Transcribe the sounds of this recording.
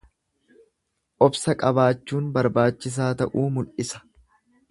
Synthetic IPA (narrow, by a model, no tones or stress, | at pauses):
ʔɔbsɐkʼɐbaːt͡ʃːuːnbɐɾbaːt͡ʃːɪs̬aːt̪ɐʔuːmʊlʔɪsɐ̥